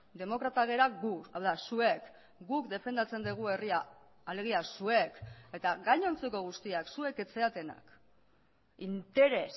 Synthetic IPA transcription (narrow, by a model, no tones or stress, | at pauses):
d̪e̞mo̞kɾat̪aɣeɾaɡuawðasue̞k | ɡukd̪e̞fe̞nd̪at͡se̞nd̪eɣ̞ue̞riaː | le̞ɣ̞iasue̞ke̞t̪aɡajɲo̞nt͡se̞ko̞ɣ̞ust̪iaksue̞ke̞t͡se̞at̪e̞na̰k | int̪e̞ɾe̞s